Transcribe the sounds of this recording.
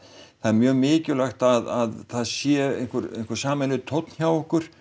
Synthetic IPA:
θaɛɾmjœːɣmɪːcʏlaxt̪aðaðθaðsjɛḛjn̥kʏɾḛjn̥kʏɾ̥saːmɛlʏt̪ʰowt̪n̥çjawɔhkʏɾ̥

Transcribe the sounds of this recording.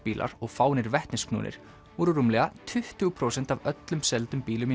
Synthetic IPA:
piːlʔa̰ɾɔɣfaːwnɪɾvɛht̪nɪsknṵːnɪ̰ɾ̥ | vɔːɾʏɾumlɛɣat̪ʰʏht̪ʏɣʏpʰɾoːwsɛn̥t̪avœt̪lʏmsɛlt̪ʏmpiːlʏm

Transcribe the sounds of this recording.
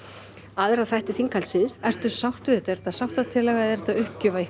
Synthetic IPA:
aːðɪɾaθajht̪ɪθiŋkalsɪnsɛr̥t̪ʏ̥sawht̪ʏɛt̪aɛɾɛt̪asawht̪at̪ʰɪlːɛɣaɛðɛɾt̪aʏhcʏvai

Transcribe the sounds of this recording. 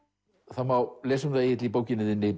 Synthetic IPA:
θawmawleːsʏmðaejɪt̪lipoːwcɪnɪðɪnːe

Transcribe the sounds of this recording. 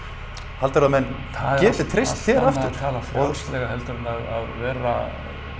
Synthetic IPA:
halt̪aɾðamɛn | θacɛːt̪ɪt̪ʰɾejsst̪θjɛːɾɾaft̪ʏɾ̥ʰalafɔðslɛɣaɦɛlt̪ʏɾnaðaðvɛːɾa̰

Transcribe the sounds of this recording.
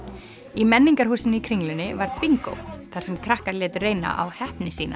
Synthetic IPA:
imɛnːiŋkaɾ̥huːsɪnɪikʰɾiŋlʏnɪvaɾpiŋko̰wθaɾ̥sɛmkʰɾahkaɾlɛːt̪ʏreːjna̰ʔawhɛhpnɪsiːna

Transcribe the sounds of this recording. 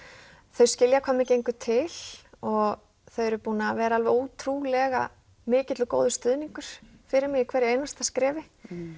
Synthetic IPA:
θœɥscɪljakʰɔːmɪcejŋkʏt̪ʰɪl̥ɔɣ | θœɥɛɾʏpuːnavɛːɾaalvɛuːt̪ʰɾuːlɛɣa̰ | mɪːcɪt̪lʏko̰ːwðʏst̪ʏðniŋkʏɾ̥ | fɪɾɪɾmɪɣɪkʰvɛːɾɪejnast̪ḁskɾɛːvɪ

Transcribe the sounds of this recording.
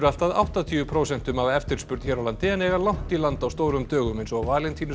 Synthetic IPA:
ɾʏal̥t̪aðawht̪at̪ʰiʏpʰɾoːwsɛn̥t̪ʏmavaɛft̪ɪɾ̥spʏɾt̪çɛɾawlant̪ɪɛnɛɣalawn̥t̪ilant̪awst̪oːwɾʏmt̪œːɣʏmejnsɔɣawvaːlent̪ʰiːnʏ

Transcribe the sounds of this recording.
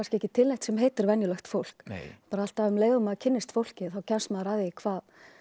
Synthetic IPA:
anscɪɛhcɪt̪ʰɪlːɛjht̪sɛmɦeːjt̪ɪɾvɛnjʏlœxt̪fowl̥kpaːɾaal̥t̪avʏmleːjðʏmaðcʰɪnːɪst̪fowl̥cɪθawcʰansmaðɾaːðɪɪkʰvaːð

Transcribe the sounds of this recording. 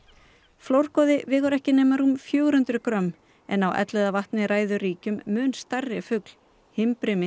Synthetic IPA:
flowr̥kɔðɪvɪːɣœɾɛhcɪnɛːmaɾumfjœːwɾʏnt̪ɾʏkɾœmː | ɛ̰nːawʔɛ̰t̪lɛðavaht̪nɪɾaːjðʏɾiːcʏmːʏnst̪arːɪfʏkl̥ | hɪmpɾɪmɪ

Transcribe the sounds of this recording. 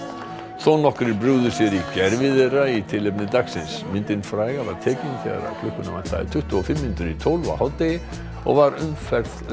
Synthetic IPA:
θɔnːɔhkɾɪɾpɾʏɣðʏsjɛɾicɛɾvɪðɛɾait̪ʰɪlːep̬̚nɪd̪aksɪnsmɪnt̪ɪnfɾaːjɣavaɾ̥t̪ʰɛːcɪnθḛɣa̰ɾa̰wkʰlʏhkːʏnamant̪a̰ɪ̰̥t̪ʰʏht̪ʏɔfɪmːɪnt̪ʏɾit̪ʰowlva̰hawt̪ɪ | ɔ̰ɣvaɾʏmfɛɾð

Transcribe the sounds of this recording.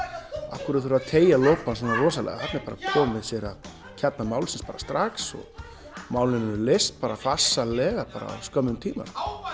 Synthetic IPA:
a̰fkʏɾaðθɾaðt̪ʰeːjaloːwpansanarɔːsalɛ̰ɣa̰hapt̪nɪɾpaːɾakʰɔːmvɪðsjɛɾað | cʰɛt̪namaːwlsɪnspaːɾast̪ɾaksɔ̰ɣ | maːwlɪnʏɾlest̪̚paːɾafasːalɛːɣapaːɾa̰skœmʏmt̪ʰiːma̰

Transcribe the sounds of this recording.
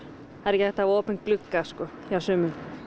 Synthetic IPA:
aðɾɛcɪθɛht̪avoːpʏnkklʏkːaskɔjawsʏːmʏm

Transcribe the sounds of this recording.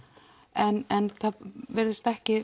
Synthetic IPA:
ɛnɛnθavɛɾɪst̪ɛhcɪ

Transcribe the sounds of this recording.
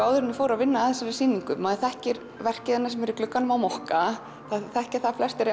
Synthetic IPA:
aːwðʏɾɪnːɪfoːwɾaðvɪnːaːθɛsasiːniŋkʏmaːðɪθɛhcɪɾ | vɛr̥cɪðɛnːasɛmɛɾiklʏkːanʏmawmɔhka | θaθɛhcaθaflɛst̪ɛɾɪ

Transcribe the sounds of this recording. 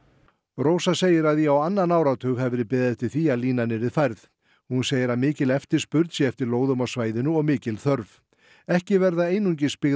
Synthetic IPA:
roːwsaseːjɪɾaðjɛawanːanaːwɾawt̪ʰʏɣɦɛvɪɾɪpɛːðɪðt̪ʰɪlθiaðliːnanːɪɾɪðfajɾθ | hunseːjɪɾaðmɪːcɪlɛft̪ɪ̥spʏɾt̪sjɛɛft̪ɪɾloːwðʏmawsvaːjðɪnʏɔɣmɪːcɪlθœɾv | ɛhcɪvɛɾðaeːjnuɲc̬ɪspɪɣ

